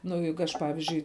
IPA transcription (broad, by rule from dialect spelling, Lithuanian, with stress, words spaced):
nʊ ˈjɛɪɡʊ ˈɐʃ ˈpɑːʋʲɪzʲd͡ʒʲʊɪ